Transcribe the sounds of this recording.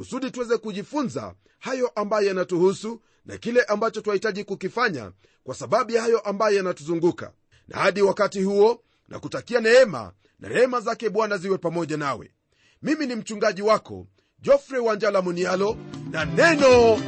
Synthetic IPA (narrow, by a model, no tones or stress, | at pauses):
kusuɗituwɛzɛkuʄifunza̰ | hajɔʔambajɔjanatuhusu | na̰kilɛʔambat͡ʃɔtuahitaʄikukifaɲa̰ | kwasaɓaɓujahajɔʔambajɔjanatuzuŋɡuka̰ | nʔa̰haɗiwakatihuɔ | nʔa̰kutakianɛɛma̰ | nʔa̰ɾɛɛmazakɛɓwanaziwɛpamɔʄanawɛ̰ | miminim̩t͡ʃuŋɡaʄiwakɔ̰ | ʄɔfɾɛwaɲd͡ʒalamunialɔnanɛnɔ